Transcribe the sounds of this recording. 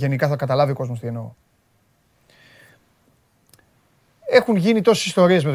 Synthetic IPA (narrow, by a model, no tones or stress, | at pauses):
ʝe̞nikɐθɐkɐt̪ɐlɐvioko̞zmost̪ie̞no̞̰ | e̞xunʝinit̪o̞si̥sist̪o̞ɾie̞zmet̪